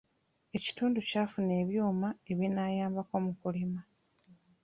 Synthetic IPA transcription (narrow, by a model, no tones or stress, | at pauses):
e̞ci̥tuːnducaːfune̞ːβjuːmae̞βinaːjaːmbako̞mukulima